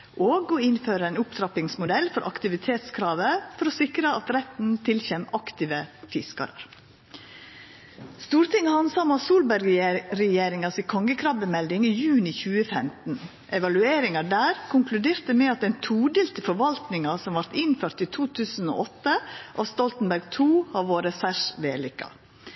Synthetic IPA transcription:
ʔoːɡɔɪnføːɾəæɪnʊpt̪ɾɑpɪŋsmʊd̪ɛlfɔɾʔɑ̰kt̪ɪʋɪt̪ʰeːt̪skʰɾɑːʋəfɔɾɔsɪkɾəɑt̪ɾɛt̪n̩t̪ʰɪlçɛmɑkt̪ɪʋəfɪskɑ̰ɾə̰ɾ | st̪uːɾt̪ʰɪŋːhɑnsɑmɑsuːlbæɾɡɾɛjeːɾɪŋɑsɪːkʰɔŋɡəkʰɾɑʋbəmɛld̪ɪŋiːjʉːnɪçʉːəfɛmt̪n̩ | ʔɛʋɑlʉeːɾɪŋɑɖæːɾkʰʊŋklʉd̪eːɾt̪əmɛɑt̪ɛɪnt̪ʰuːɖ̪ɪːlt̪ʰəfɔɾʋɑlt̪nɪŋɑsɔmʋɑɾt̪ɪnføːɾt̪iːt̪ʰuːt̪ʰʉːsn̩o̰ːʔɔt̪ːəʔɑst̪ɔlt̪n̩bæɾɡt̪ʰuːhɑʋoːɾəsæʂʋḛːlʏkːɑ̰

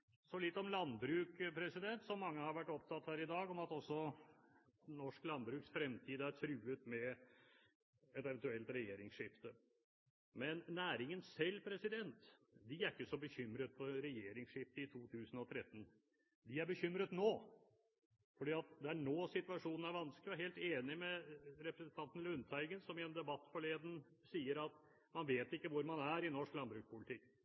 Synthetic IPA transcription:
sɔlɪt̪ːɔmlɑnbɾʉːkpʰɾɛsɪd̪ɛnt̪sɔmːɑŋːəhɑɾʋæʈːɔp̚t̪ʰɑt̪ːhæːɾɪd̪ɑːɡɔmɑt̪ɔsːɔ | nɔʂklɑnbɾʉːksfɾɛmt̪ʰiːd̪əæɾt̪ʰɾʉːət̪mɛ | ɛt̪ɛʋɛnt̪ʉɛlt̪ɾɛjeːɾɪŋsʂɪft̪ə | mɛnːæːɾɪŋənsɛlːpʰɾɛsɪd̪ɛnt̪d̪ɪæɾɪkːəsɔbəçʏmɾət̪fɔɾɛjeːɾɪŋsʂɪft̪əɪt̪ʰuːt̪ʰʉːsn̩ɔt̪ʰɾɛt̪ːn̩ | d̪ɪæɾbəçʏmɾət̪noː | fɔɖiːɑt̪̚d̪ɛæɳoːsɪt̪ʉɑʂuːnn̩æɾʋɑnsklɪɔheːlt̪eːnɪmɛɾɛpɾəsn̩t̪ʰɑnt̪n̩lʉnt̪ʰæɪɡənsɔmɪɛnd̪ɛbɑt̪ːfɔɭeːd̪ən̩ | siːəɾɑt̪ | mɑnʋeːt̪ɪkːəʋʊɾmɑnæɾɪnɔʂklɑnbɾʉːkspʊlɪt̪ʰɪkː

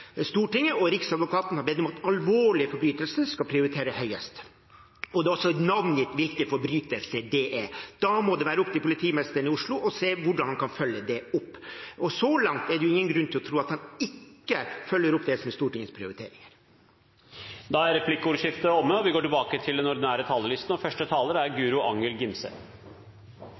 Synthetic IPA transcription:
st̪uːʈɪŋːəɔɾɪksɑd̪ʋʊkʰɑːt̪n̩hɑɾbɛd̪ɔmɑt̪ɑlʋoːɭɪəfɔɾbɾyːt̪əlsəskɑpʰɾɪʊɾɪt̪ʰeːɾəhœʏəst̪ | ɔd̪ɛːɔsːɔnɑʋnjɪːt̪ʋɪlkəfɔɾbɾyːt̪əlsəɖeʔɛd̪̥ɑmɔd̪ɛʋæːɾəɔp̚t̪ɪpʊlɪt̪ʰiːmɛst̪əɳɪʊʂɭʊʔɔseːʋʊɖɑnhɑnkʰɑnfœlːəd̪ɛʊpːʔɔsɔlɑŋt̪ɛɖɛjʊɪŋːənɡɾʉnːt̪ɪlɔt̪ʰɾuːɑt̪hɑnɪkːəfœlːəɾʊpːd̪ɛsɔmɛst̪uːʈɪŋːəspʰɾɪʊɾɪt̪ʰḛːɾɪŋəɾ | d̪ɑæɾɛpʰlɪkːuːʋəʂɪft̪əɔmːəɔʋɪɡoːʈɪlbɑːkət̪ʰɪld̪ɛnɔɾd̪ɪnæːɾət̪ʰɑːləlɪst̪n̩ɔfœʂʈət̪ʰɑːləɾəæɾɡʉːɾʊʔɑŋəlɡɪmsə̰

